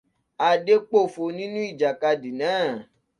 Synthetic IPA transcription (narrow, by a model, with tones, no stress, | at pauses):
a˧de˦k͡po˦˨fo˧nĩ˦nũ˦i˦˨d͡ʒa˨ka˧di˨nãː˨˦˨